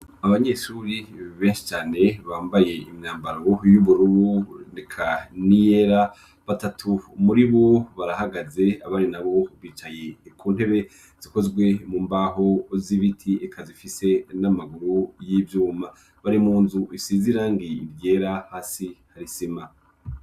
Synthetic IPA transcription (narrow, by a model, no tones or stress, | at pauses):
aβaɲe̞ʃuɾiβe̞ːnʃi̥t͡ʃaːne̞βaːmbaje̞imɲaːmbaɾojuβuɾuunekʰanijeɾa | βatatʰumuɾiβoβaɾahaɡaze̞aβaɾinaβo̞βiːt͡ʃaje̞kʰuːn̥he̞βe̞ | z̥iko̞zɡwe̞muːmbaɦoziβitʰiekʰazifise̞namaɡuɾujivjuːma | βaɾimuːnzuʔisiziɾaːŋɡiɾje̞ɾahaːsihaɾisima